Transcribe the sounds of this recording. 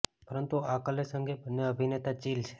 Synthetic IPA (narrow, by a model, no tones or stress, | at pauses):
pəɾənt̪uakəlesə̃ŋɡebʱənːeəbʱinet̪at͡ʃilt͡ʃʰe̥